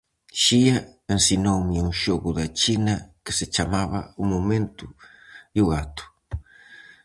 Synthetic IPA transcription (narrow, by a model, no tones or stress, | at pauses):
ʃiɐensinowmɪuŋʃoɣʊðat͡ʃinɐkɪsɪt͡ʃamaβɐ̰umomẽnt̪ʊ | juɣat̪ʊ̥